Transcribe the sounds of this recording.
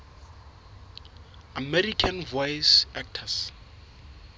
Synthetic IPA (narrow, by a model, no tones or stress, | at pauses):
amɛrikʰanvɔjsɛk̚tʰas